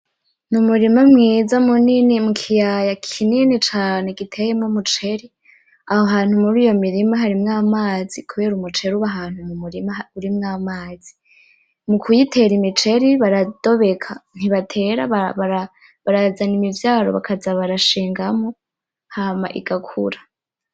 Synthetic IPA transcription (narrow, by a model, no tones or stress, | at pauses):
numuɾimamŋiːzamuninimukʰijajakʰininit͡ʃaːne̞ɡitʰe̞jemŋomut͡ʃe̞ɾi | ahoɦaːn̥humuɾiːjo̞miɾimaɦaɾimŋaːmaːzikʰuβe̞ːɾumut͡ʃe̞ɾuβaɦaːn̥humumuɾimauɾimŋaːmaːzi | mukʰujitʰe̞ːɾimit͡ʃe̞ɾiβaɾad̥o̞βe̞kʰan̥iβatʰe̞ːɾa̰βaβaɾa | βaɾazanimivjaːɾo̰βa̰kʰazaβaɾaʃiːŋɡamo | hamaʔḭɡ̥akʰṵɾḁ